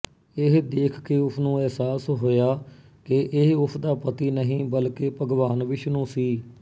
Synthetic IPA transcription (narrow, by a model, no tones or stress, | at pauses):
ɪɦd̪eːkʰkeːʊpʰnũːɛɦsaːsɦoːjaː | kɪʔɪɦʊpʰd̪aːpət̪iːnəɦĩːbəlkeːpəɡʋaːnʋɪʃnũːsiː